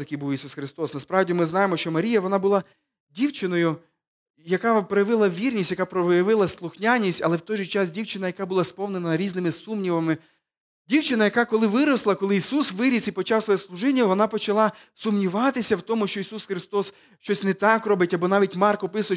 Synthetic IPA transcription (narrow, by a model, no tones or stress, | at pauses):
t̪ɐkijbuwjisusxɾɪst̪ɔsnɐspɾɑwdʲimɪznɑjemɔʃt͡ʃɔmɐɾʲijɐʋɔnɑbʊlˠɑ | dʲiwt͡ʃɪnɔjʊ | jɐkɑpɾɔjɐʋɪlˠɐʋʲirnʲisʲjɐkapɾɔʋɔjɐʋɪlˠɐslˠʊxnʲanʲːisʲtʲɐ̰lˠɛwt̪ɔjʒɪt͡ʃɑs̬dʲiwt͡ʃɪnɐjɐkɑbʊlˠɑspɔwnenɐɾʲiznɪmɪsumnʲiʋɐmɪ | dʲiwt͡ʃɪnɐjɐkɑkɔlˠɪʋɪɾɔslˠɐkɔlˠɪisusʋɪɾʲisipɔt͡ʃɑwsɔjɛslˠʊʒɪnʲːɐʋɔnɑpɔt͡ʃɐlˠɑsʊmnʲiʋɑt̪ɪsʲɐwt̪ɔmʊʃt͡ʃɔisusxɾɪst̪ɔs | ʃt͡ʃɔsʲnɛt̪ɑkrɔbɪtʲɐbɔnɑʋʲitʲmɑrkɔpɪsʊ